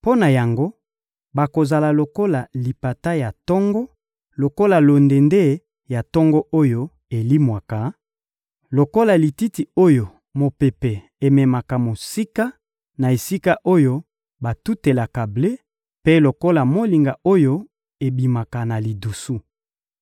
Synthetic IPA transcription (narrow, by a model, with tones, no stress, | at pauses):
po˦na˨ja˨ŋɡo˦ | ba˨ko˨za˨la˨lo˨ko˦la˨li˨pa˨ta˦ja˨tɔ˦ŋɡɔ˦ | lo˨ko˦la˨lo˨nde˨nde˦ | ja˨tɔ˦ŋɡɔ˦ʔo˦jo˦ | e˨li˦mwa˨ka˨ | lo˨ko˦la˨li˨ti˦ti˨o˦jo˨ | mo˨pe˨pe˨ | e˨mɛ˨ma˨ka˨mo˨si˦ka˦ | na˨e˨si˦ka˦ʔo˦jo˦ | ba˨tu˦te˨la˨ka˨ble˦ | pe˦lo˨ko˦la˨mo˨li˨ŋɡa˨o˦jo˦ | e˨bi˨ma˨ka˨na˨li˨du˨su˦